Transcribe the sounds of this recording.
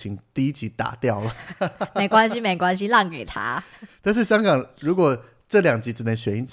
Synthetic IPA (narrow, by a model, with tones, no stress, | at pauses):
t͡ɕʰi˧˥˦ŋt̪i˥˧i˦˥t͡ɕi˧˥t̪a̰˨˩t̪jɑ˥˩ʊlə˩me˨˩ɪkwa˥nɕi˧˥me˨˩ɪkwa˥˦nɕ̬i˦lɑ˥˩ŋke˨˩ɪt̪ʰa̰˥t̪a˥˧nʂɻ̩˥˩ɕjɑ˥ŋkɑ˨˩ŋɻu˧˥kwɔ˨˩ | ʈ͡ʂɤ˥˩ljɑ˨˩ŋt͡ɕi˧˥t͡sɹ̩˥˩nɛ˧˥nɕɥɛ˧˥ni˧˥n